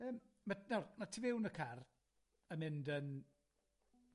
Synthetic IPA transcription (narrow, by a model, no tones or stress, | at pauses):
əːm | manɔrmatʰivɪwnəkʰar | əmɪndən